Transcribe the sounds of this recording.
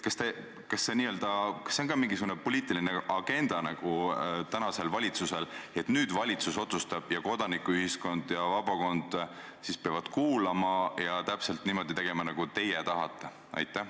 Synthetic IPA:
kɑst̪e̞ | kɑsːe̞niːøld̪ɑkɑ̥sːeonɡɑːmiŋɡisuɡ̥unepo̞lʲiːt̪ːˑilineɑɡ̥e̞nd̪̥ɑnɑɡ̥ut̪ænɑse̞lvɑlʲit̪suse̞le̞t̪ˑnyːd̪̥vɑlʲit̪suso̞t̪sust̪ɑb̥jɑko̞d̪̥ɑnikːˑuyhisko̞nd̪̥jɑvɑbɑko̞nd̪̥ | sispeɑvɑd̪̥kuːlɑmɑjɑt̪æpse̞lt̪niːmo̞d̪̥it̪e̞ɡ̥emɑnɑɡ̥ut̪e̞jɛt̪ɑɦɑt̪ˑːe | ɑ̰jt̪ːˑæh

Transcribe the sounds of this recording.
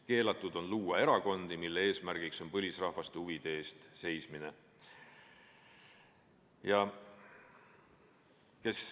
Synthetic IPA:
ke̞ːlɑt̪ˑːud̪̥o̞nluːɑe̞ɾɑko̞nd̪imilːee̞ːsmæɾɡ̥ikso̞npɤlʲisrɑhvɑst̪ehuvid̪̥eeːst̪se̞jsmine̞ | jɑ | ke̞s

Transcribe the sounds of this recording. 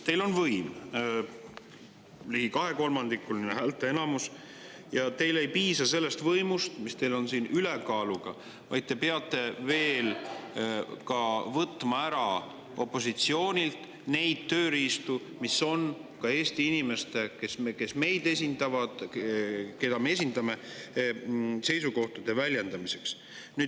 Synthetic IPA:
t̪e̞jlo̞nvɤjm | liɡikɑɦe̞ko̞lmɑnd̪̥ikːˑulnineɦæːlt̪ːˑee̞nɑmus | jɑt̪e̞jle̞jpiːsɑse̞lːe̞st̪vɤjmust̪mist̪e̞jlo̞nsiːnʔylekɑːluɡ̥ɑ̰ | vɑ̰jd̪̚t̪e̞peɑt̪ːˑe̞ve̞ːl | kɑvɤt̪ːˑmɑæɾɑ | ʔo̞pːo̞sit̪sio̞ːnʲilt̪ | ne̞jd̪̥̚t̪ø̞ːɾiːst̪u | misːo̞nkɑe̞ːsʲt̪iinime̞st̪e̞kesmke̞sme̞jd̪e̞s̬ʲind̪ɑvɑd̪̥ | ke̞d̪ɑme̞es̬ʲind̪ɑme̞ | se̞jsuko̞ht̪ud̪̥e̞vælʲje̞nd̪ɑmise̞ks | nyːd̪

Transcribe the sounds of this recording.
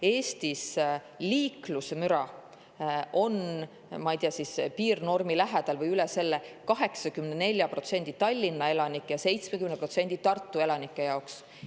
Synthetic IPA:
e̞ːst̪is | liːklusemyɾɑ | ʔo̞n | mɑijt̪eɑsispiːrno̞rmilæɦed̪̥ɑlvɤjylɛse̞lːekɑɦe̞ksɑkymnene̞lʲjɑpro̞t̪se̞nʲd̪̥it̪ɑlʲːinːɑe̞lɑnikːˑjɑse̞jt̪smekymnepro̞t̪se̞nʲd̪̥it̪ɑrt̪ˑːue̞lɑnikːˑe̞jɑoks

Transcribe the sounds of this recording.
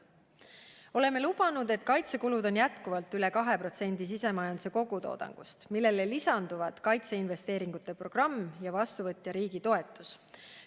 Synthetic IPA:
o̞le̞mːe̞lub̥ɑnud̪e̞t̪kɑjt̪se̞kulud̪o̞njæt̪kuvɑlt̪ːˑyle̞kɑɦe̞pro̞t̪se̞nʲd̪̥is̬ise̞mɑjɑnd̪u̥seko̞ɡ̥ut̪o̞̰ːd̪̥ɑ̰ŋɡ̥ṵst̪milːe̞lelisɑnd̪̥uvɑt̪kɑjt̪se̞inve̞st̪e̞ːɾiŋɡut̪ːˑe̞pro̞ɡ̥rɑmːjɑvɑst̪uvɤt̪ʲːˑjɑɾiːɡit̪o̞e̞t̪ːˑus

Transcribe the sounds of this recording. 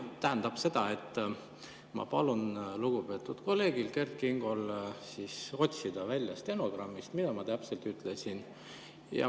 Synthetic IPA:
t̪æɦænd̪̥ɑb̥se̞d̪̥ɑe̞t̪ːˑ | mɑ̰pɑlunluɡ̥upe̞ːt̪ːˑud̪̥ko̞lːe̞ːɡ̥ilke̞rt̪̚kiŋɡ̥o̞lsiːso̞t̪ʲsid̪̥ɑvælʲːjɑst̪e̞no̞ɡ̥rɑmːist̪mid̪̥ɑmɑt̪æpselt̪yt̪ːˑle̞sin | jɑ̰

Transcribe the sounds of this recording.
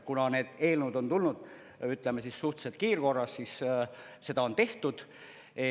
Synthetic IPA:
kunɑne̞ːd̪̥e̞ːlnud̪o̞nt̪ulnud̪̥ | yt̪ˑlemesisːuht̪set̪̚kiːrko̞rːɑssis | se̞d̪ɑo̞nt̪e̞ht̪ud̪̥

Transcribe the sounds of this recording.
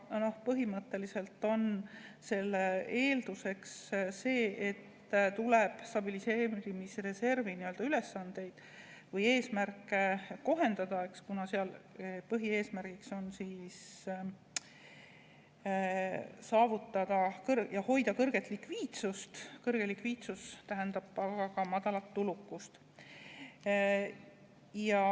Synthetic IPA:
no̞hpɤɦimɤt̪ːˑe̞lise̞lt̪ːˑo̞nse̞lːee̞ːld̪̥use̞ksse̞ːʔe̞t̪ːt̪uleb̥st̪ɑbilise̞ːɾimisre̞se̞rviniø̞ld̪ɑyle̞sːɑnd̪̥e̞jd̪̥ | vɤje̞ːsmærkːˑeko̞ɦe̞nd̪̥ɑd̪̥ɑe̞kskunɑseɑlpɤɦie̞ːsmærɡ̥ikso̞nsiːs | sɑːvut̪ːˑɑd̪̥ɑkɤrjɑho̞jd̪ɑkɤrɡ̥e̞t̪ːˑlikviːt̪sust̪kɤrɡ̥e̞likviːt̪sust̪æɦænd̪̥ɑbɑɡɑkɑmɑd̪̥ɑlɑt̪ːulukːˑust̪ | jɑ

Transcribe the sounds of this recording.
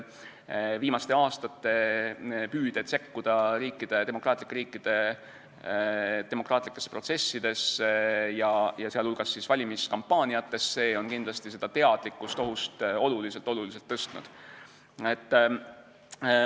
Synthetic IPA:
viːmɑst̪e̞ɑːst̪ɑt̪ːe̞ | pyːd̪̥et̪se̞kːud̪̥ɑɾiːkːˑid̪̥e̞t̪emo̞kˑrɑːt̪likːˑeɾiːkːˑid̪̥e̞ | t̪e̞mo̞krɑːt̪likːˑe̞sːpro̞t̪se̞sːid̪̥e̞sjɑjɑseɑlulɡ̥ɑsːisvɑlʲimiskɑmpːɑːnʲijɑt̪ːe̞sːe̞ːo̞nkind̪lɑst̪ise̞d̪ɑt̪e̞ɑd̪̥likːˑust̪o̞ɦust̪o̞lulise̞lt̪ːˑo̞lulis̬elt̪ːɤst̪nṵd̪̥ | et̪ːˑ

